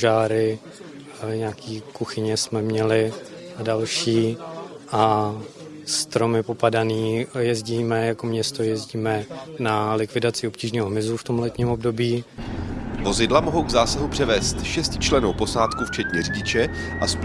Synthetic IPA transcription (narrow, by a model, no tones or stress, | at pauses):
ʒaːɾɪ | ɲaːkʰiːkuxɪɲɛsmɛmɲɛlɪ | adalʃiːʔa | st̪ɾo̞mɪpo̞padaniːjɛzɟiːmɛjakomɲɛst̪o̞jɛzɟiːmɛnalɪkvɪdat͡sɪo̞pciːʒniːɦoɦmɪzuft̪o̞mlɛt̪ɲiːmo̞bdo̞biː | vo̞zɪdlamo̞ɦowɡzaːsaɦupr̝̥ɛvɛːst̪ʃɛscɪt͡ʃlɛnowpo̞saːt̪kuft͡ʃɛt̪ɲɛriɟɪt͡ʃɛ | ʔasp